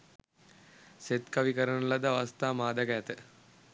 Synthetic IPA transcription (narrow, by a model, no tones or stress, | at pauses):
set̪kaʋikəɾənulad̪əaʋast̪aːmaːd̪aɡæt̪ə